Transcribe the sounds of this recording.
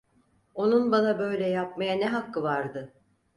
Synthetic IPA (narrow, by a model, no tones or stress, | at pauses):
o̞nunbanabø̞jlʲɛjap̚majanɛɦakːɯvaɾd̪ɯ